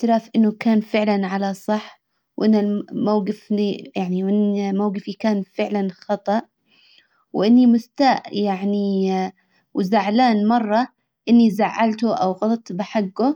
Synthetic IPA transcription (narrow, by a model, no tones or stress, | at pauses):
t̪ɪlaːfʔɪnːʊkaːnfɪʕlanʕalasˤɑħː | wʔɪnːalmawɡɪfnijaʕniwʔɪnːmawɡɪfikaːnfɪʕlanxɑt̪ˤɑʔ | wʔɪnːimʊst̪aːʔjaʕni | wzaʕlaːnmɑrˤːɑ | ʔɪnːizaʕːalt̪uʔawɣɑlˤɑt̪bɪħaɡːʊ